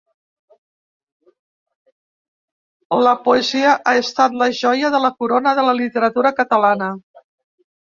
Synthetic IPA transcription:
ləpuəziəʔaəst̪at̪ləʒɔjəðələkuɾonəðələlit̪əɾət̪uɾəkət̪əlanə

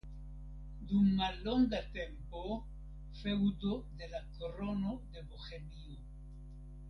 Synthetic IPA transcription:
d̪uŋmaloŋɡat̪empo | fewd̪od̪elakoronoðeβoxelio

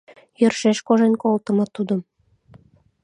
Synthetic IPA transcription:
jə̆rʃeʃkoʒenkolt̪ə̆mɤ̆t̪ud̪ɤ̆m

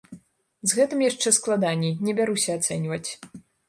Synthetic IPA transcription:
zɣɛt̪ɨmjaʂt͡ʂɛsklˠad̪anʲinʲɛbʲaɾusʲɐːt̪sɛnʲvɐt͡sʲ

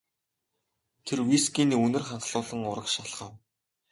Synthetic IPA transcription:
t̪ʰerwiskiːniːɵnɘ̆rχaɴɢɮʊːɮə̆ŋʊɾə̆kʃaɮχə̆w

